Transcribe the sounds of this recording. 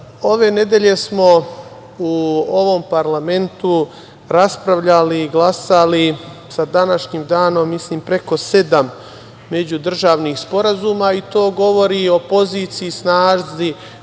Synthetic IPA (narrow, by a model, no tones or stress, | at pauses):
o̞ʋe̞ne̞d̪eʎe̞smo̞ | uo̞ʋo̞mpaɾlame̞nt̪u | ɾaspɾaʋʎaliːɡlˠasali | sad̪anaʃɲiːmd̪aːno̞mːisliːmpɾe̞ko̞se̞d̪amː | e̞d͡ʑud̪r̩ʒaːʋniːxspo̞ɾazuːmait̪o̞ːɡo̞ʋo̞ɾio̞po̞ziːt̪sijisnaːʒzi